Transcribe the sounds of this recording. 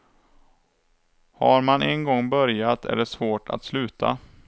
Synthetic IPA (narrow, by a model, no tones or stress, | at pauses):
haɾmanʔɛnɡɔŋːbœɾjat̪ʰæ̰ɖɛsvoːʈʰa̰t̪slʉ̟ːt̪ʰa̰